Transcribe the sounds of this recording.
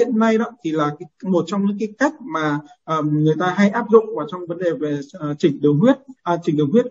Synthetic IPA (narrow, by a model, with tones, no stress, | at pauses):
ḭ˧˨ənːa˧jɗɔ̰˧˨˦t̪ʰi˨˩laː˨˩kːmo˨˩t̚t͡ɕɔ˧wŋ͡mɲɨ̰˧˥ŋkaː˨˦jka˦˥jk̟̚maː˨˩ʔəː˨˩ŋɨ˨˩əjt̪aː˧ɦa˧jʔaː˦˥p̚zʊ̰˧˨ŋ͡mvaː˨˩wt͡ɕɔ˧wŋ͡mvə˨˦nɗe˨˩ve˨˩˨t͡ɕï˧˩ŋ̟ɗɨ˨˩əwɦwi˦˥ət̚ːt͡ɕï˨˧˩ŋ̟ɗɨ˨˩ŋhwi˦˥ət̚